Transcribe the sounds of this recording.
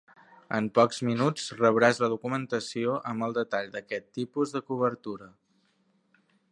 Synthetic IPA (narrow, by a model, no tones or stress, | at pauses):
əmpɔkzminut͡srəβɾazləðukumənt̪əsioʔəməlˠd̪ət̪aʎd̪əkɛt̪ːipuzðəkuβ̞əɾt̪uɾə